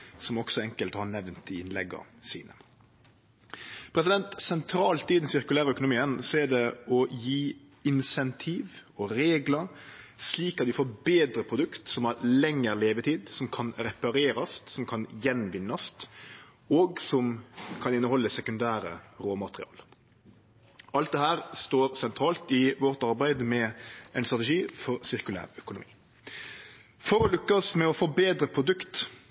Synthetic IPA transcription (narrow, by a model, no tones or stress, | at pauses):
sɔmɔɡ̥sɔɛŋkəlt̪hɑnɛʋnt̪ɪnlɛɡːɑ̰ | sḭːnə̰ | pʰɾɛs̬ɪd̪ɛnt̪sɛnt̪ʰɾɑːlt̪ɪd̪ɛnsɪɾkʉlæːɾɑœkʊnʊmiːənsɔæɖɛɔjiː | ɪnsɛnt̪ʰiːʋɔɾeːɡlɑɾsliːkɑt̪d̪ʉfoːɾbeːd̪ɾəpʰɾʊd̪ʉkt̪sɔmæɾlɛŋːəɾleːʋət̪ʰiːd̪sɔmkʰɑnɾɛpɑɾeːɾɑst̪sɔmkʰɑnjɛnʋɪnːɑst̪ | ɔːɡsɔmkʰɑnɪnːəɦɔlːəsɛkʉnd̪æːɾə̰ɾoːmɑt̪ɾɪ̰ɑ̰ːl | ɑlt̪d̪ɛhæːɾst̪oːɾsɛnt̪ʰɾɑːlt̪ɪʋɔɾt̪ɑɾbæɪd̪mɛʔɛɪnst̪ʁɑt̪̬ɛʂiːfɔɾsɪʁkʉlæ̰ːɾœkʊnʊmḭː | fɔɾɔlʏkːɑsmɛɔfoːbeːd̪ɾəpʰɾʊd̪ʉkt̪